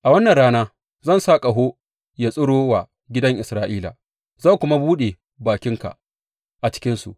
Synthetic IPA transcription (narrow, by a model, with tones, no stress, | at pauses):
ʔa˨wɐ˦nːɐ˨nɽaː˦naː˦ | zɐ˦˨nsaː˦kʼa˨ɦo˦ | ja˨sʼʊ˦ɽoː˦wa˨ | ɡʲɪ˦dɐ˦ŋʔɪ˨sɾaː˨ʔiː˦la̰˨ | zaː˦˨kʷʊ˦ma˦buː˦ɗe˨ | baː˨kʲɪ˦ŋka̰˨ | ʔa˨t͡ʃɪ̥˦kʲɪ˦nsṵ˨ʔ